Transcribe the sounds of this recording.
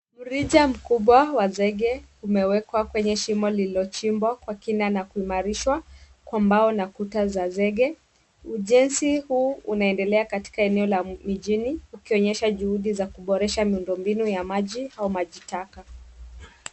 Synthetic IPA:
m̩ɾiʄam̩kuɓwawazɛɠɛumɛwɛkwakwɛɲɛʃimɔliliɔt͡ʃimbwakwakinanakuimaɾiʃwa | kwambaɔnakutazazɛɠɛ | uʄɛnsihuːunaɛndɛlɛakati̥kaɛnɛɔlamiʄiniukiɔɲɛʃaʄuhuɗizakuɓɔɾɛʃamiundɔmbinujamaʄiaumaʄitaka

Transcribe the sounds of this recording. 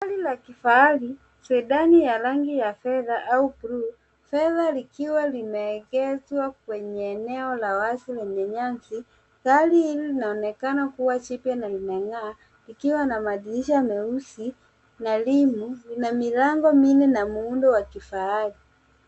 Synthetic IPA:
halilakifaali | sɛɗanijaɾaŋɡijafɛðaʔaupɾu | fɛðalikiwalimɛːkɛzwak̚wɛɲɛːnɛɔlawasilɛɲɛɲansi | kalihililinaɔnɛkanakuwat͡ʃipjanalimɛŋaː | likiwanamaɗiliʃamɛusi | nalimulinamilaŋɡɔminɛnamuundɔwakifaali

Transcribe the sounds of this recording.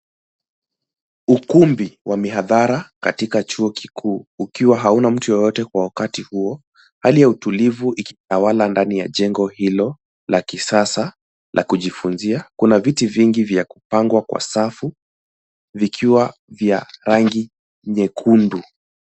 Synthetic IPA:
ukumbiwʔamiɦaðaɾakatikat͡ʃuɔkikʰuːkiwaɦaunam̩tujɔjɔtɛkwawakatihuɔ | halijautulivuʔikitawalandanija̰ʄɛŋɡɔhilɔ | lakisasa | lʔa̰kuʄifunziakunavitiviŋɡivjaku̥paŋɡwakwa̰safu | vikʰiwavjaɾaŋɡi | ɲɛkʰundu

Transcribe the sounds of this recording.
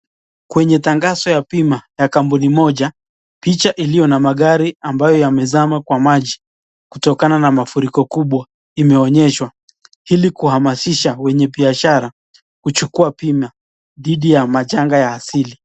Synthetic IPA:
kwɛɲɛtaŋɡasɔjapimajakambunimɔʄa | pit͡ʃaʔilijɔnamaɠaɾiambajɔjamɛzamakwamaʄi | kutɔkananamafuɾikɔkuɓwa | imɛɔɲɛʃwa | hilikuhamasiʃawɛɲɛbiaʃaɾa | kut͡ʃukuapima | ðiɗijamaʄaŋɡajaːsili

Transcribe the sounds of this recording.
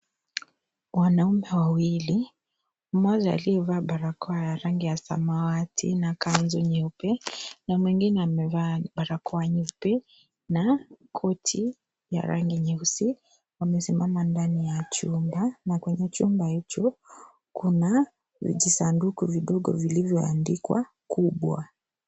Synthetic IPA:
wanaumɛwawili | mwazaa̰liɛvaːɓaɾakɔajaɾaŋɡijasa̰mawatʰḭnakanzɔɲɛupɛnamwiŋɡinɛamɛvabaɾakɔaɲɛupɛ | nakʰɔtʰi | ja̰ɾa̰ŋɡiɲɛusi | wamɛsimamandanijat͡ʃumbanakwɛɲɛt͡ʃumbahit͡ʃɔ | kuna | ʄisandukuviɗɔɡɔ̰vilivjɔa̰ndikwa̰ | kuɓwa̰

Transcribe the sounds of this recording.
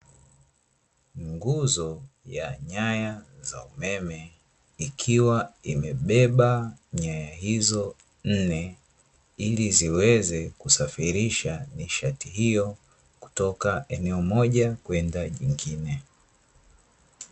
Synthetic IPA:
ŋɡuzɔjaɲajaza̰umɛmɛ | ikʰiwaimɛɓɛɓaɲajaɦizɔ | n̩nɛ | iliziwɛzɛkusafiɾiʃaniʃatiɦijɔ | ku̥tɔkaɛnɛɔmɔʄakwɛndaʄiŋɡinɛ

